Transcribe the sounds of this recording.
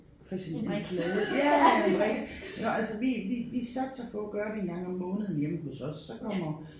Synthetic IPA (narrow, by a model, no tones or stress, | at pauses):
fɒeɡ̥semb̥̩beɡ̥lɛːðˠjæd̥e̝ʁeɡ̥d̥ijoʔælsəʋiʋiʋisæd̥sɑ̈ɪfʰɒ̽ːɡ̥ɶːɐɾee̝nɡ̥ɑ̈ŋ̰ɒ̽mːɔ̽ːnəð̞̩ˠn̩jeməɦosɒ̽sːɒ̽kʰɒ̽m̰ɐ